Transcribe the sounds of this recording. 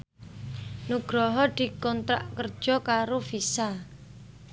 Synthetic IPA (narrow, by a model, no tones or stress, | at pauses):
nuɡ̥ɾɔɦɔd̪̥i̤kɔnt̪ɾa̰ʔkərd̥ʒ̥ɔ̤kaɾofisa